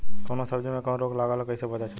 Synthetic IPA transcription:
konosəbd͡ʒomẽkə̃w̃ɾoɡlaɡalokəɪsebəd̪at͡ʃʰ

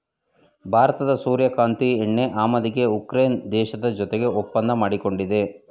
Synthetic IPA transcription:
bʱaːɾɐt̪ɐd̪ɐsuːɾjɐkaːnt̪ieɳːe̞ʔaːmɐd̪iɡe̞ukɾejnd̪ɛːʃɐd̪ɐd͡ʒɔt̪eɡe̞opːɐnd̪ɐmaːɽiko̞ɳɖid̪e̞

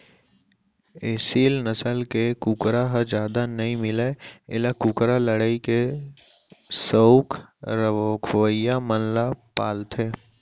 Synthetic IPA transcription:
eːsiːlnəsəlkekukɾaɦəd͡ʒjaːd̪anɐɦĩmɪleɪlakukɾaləɽaike | səʊkɾəkʰʋəjamənlapaːlt̪ʰeː

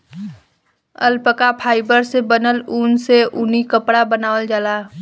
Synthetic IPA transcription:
ə̰lpəkapʰaːɪbəɾsebənəluːnseʔʊnikəpɽabənaːʋəld͡ʒalaː

